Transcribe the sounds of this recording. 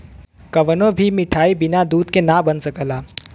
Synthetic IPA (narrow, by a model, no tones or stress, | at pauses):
kɐʋənõbʱimɪʈʰaːibɪnad̪uːd̪kenabɐnsɐkəlaː